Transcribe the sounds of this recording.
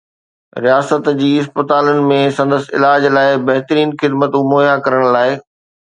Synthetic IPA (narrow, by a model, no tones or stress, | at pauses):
ɾijaːsət̪d͡ʑiːɪspət̪aːlənɪ̆mẽsɐ̃nd̪əsɪ̰laːd͡ʑlaːɪbɐɦt̪ɾiːnxɪd̪mət̪ũmoːjakɐɾəɽ̃laːɪ